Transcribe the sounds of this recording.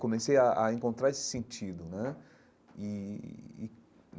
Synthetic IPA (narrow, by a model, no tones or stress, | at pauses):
kõmesejaʔaẽŋkõnt̪ɾaesɪ̥sẽnt͡ʃid̪ʊnɛ | iː